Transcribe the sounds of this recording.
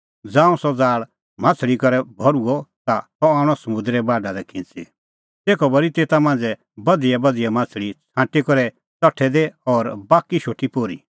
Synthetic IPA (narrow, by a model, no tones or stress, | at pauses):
d͡zãːũsɔd͡zaːɭ | mãːt͡sʰɭikɔɾɛbʱɔɾuɔt̪asɔaːɽ̃ɔsɐmʊ̃nd̪ɾɛbaːɖad̪ɛkʰɪ̃t͡sḭ | t̪eːkʰɔbɐɾit̪eːt̪amãːnd͡zɛ | bɐd̪ijabɐd̪ijamãːt͡sʰɭit͡sʰãːʈikɔɾɛ | t͡sɔʈʰɛd̪eɔɾbaːkiʃoːʈʰːipoːɾḭ